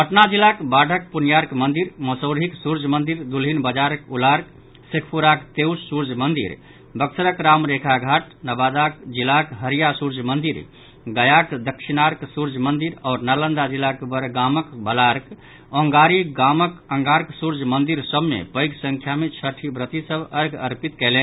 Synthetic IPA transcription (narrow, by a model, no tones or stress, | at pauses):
pəʈnad͡ʒilakbaɖʱək̚punjaɾkmənd̪iɾmɔsəʊɾɦiksuɾd͡ʒmənd̪iɾd̪ulɦinbəd͡ʒaɾəkulaɾk | sikʰpuɾakt̪ewssuɾd͡ʒʱmənd̪ḭɾ | bəksəɾəkɾamɾekʰaɡʱaʈ | nəbad̪akd͡ʒilakɦəɾijasuɾd͡ʒmənd̪iɾ | ɡəjakd̪əkʃinaɾksuɾd͡ʒʱmənd̪iɾɔːɾnalənd̪ad͡ʒilːakbəɾɡaməkbəlaɾk | ɔ̃ŋɡaɾiɡaməkəŋɡaɾksuɾd͡ʒʱmənd̪iɾsəbmḛpəjɡsəŋkʰjamet͡ʃʰəʈʰibɾət̪isəbəɾɡəɾpit̪kɛlɛ